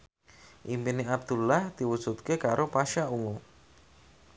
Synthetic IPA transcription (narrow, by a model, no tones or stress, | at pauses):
ʔimpineab̚d̪̥ulahd̪̥iwud̥ʒ̥ut̪̚kekaɾopaʃauŋu